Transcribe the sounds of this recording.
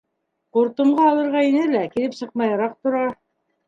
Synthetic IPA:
quɾt̪ŏɴɢɑːlˠɤ̆ɾʁɑinɘlækilɘpsɤ̆q̚mɑjɑɾɑq̚t̪ŏɾɑ

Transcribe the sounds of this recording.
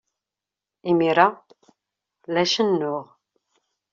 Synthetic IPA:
imiɾˤa | læʃənːʊʁ

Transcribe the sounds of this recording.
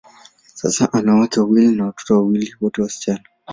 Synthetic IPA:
sa̰saʔanawataawilinawato̥tɔwawiliwɔtɛwasi̥t͡ʃana

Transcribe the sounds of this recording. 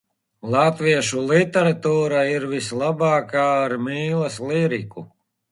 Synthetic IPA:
lˠat̪viɛʃulit̪ɛɾat̪uːɾaiɾvislˠabaːkaːɾmiːlˠasliɾiku

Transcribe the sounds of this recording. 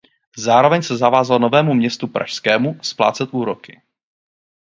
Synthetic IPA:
zaːɾo̞vɛɲsɛzavaːzalno̞vɛːmumɲɛst̪upɾʔa̰ʃskɛːmuspla̰ːt͡sɛt̪ʔuːɾo̞kɪ

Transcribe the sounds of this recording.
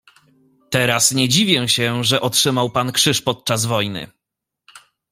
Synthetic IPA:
t̪ɛɾasɲɛd͡ʑivʲjɛ̃ɕɛʐɛʔɔtʂɘmawpankʂɘʂpɔt̪̚t͡ʂazvɔjnɘ̰

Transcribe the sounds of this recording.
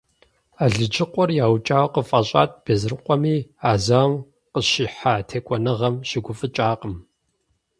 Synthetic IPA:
aːɮɨd͡ʒɪqʷɔrjaːwt͡ʃʼaːwɐqəfʼɐɕʼa̰ːt̚ʰb̥eːzɨrɨqʷʼɔmiːaːzawm | qəɕiːħaːtʰeːkʷʼɔnɨʁɐmʃɪɡʷʊfʼɨt͡ʃʼaːqəm

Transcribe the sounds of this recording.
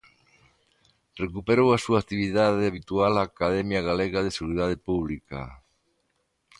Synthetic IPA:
rekupeɾowasuak̚t̪iβiðaðeaβ̞it̪ualaːkaðɛmjaɣaleɣaðeseɣuɾiðað̞epuβ̞lika̰

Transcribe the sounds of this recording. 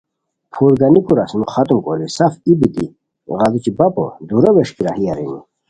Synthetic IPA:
pʰuɾɡɐnikuɾasnuχɐt̪umkolisafibit̪ḭ | ɣɐzut͡ɕibɐpɔ̰d̪uɾɐbeʂkiɾahijaɾinḭ

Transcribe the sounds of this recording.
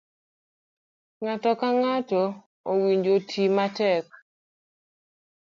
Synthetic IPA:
ŋatɔkaŋatɔ | owiɲd͡ʒotʰimatɛk̚

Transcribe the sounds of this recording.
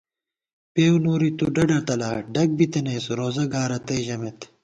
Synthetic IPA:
peːunoːɾit̪uɖɐɖɐt̪ɐlaːɖɐk̚bit̪ɐneːsɾoːzɐɡaːɾɐt̪eʑɐmet̪

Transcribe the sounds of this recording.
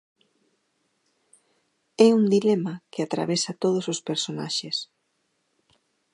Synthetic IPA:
ɛund̪ilɛmɐkɪat̪ɾa̰βɛsɐt̪oð̞osospeɾsona̰ʃes

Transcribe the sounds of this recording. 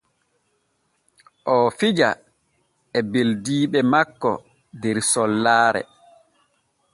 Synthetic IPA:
ʔɔfid͡ʒa̰ | ɛbeldiːɓɛmakːɔ̰ | dɛɾsɔlːaːɾɛ̰

